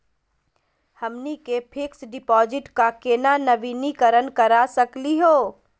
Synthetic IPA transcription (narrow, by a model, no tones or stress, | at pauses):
həmnikepʰɪksɖɪpɔːd͡ʒɪʈkakeːnanəʋiːnikəɾənkəɾasəkliɦoː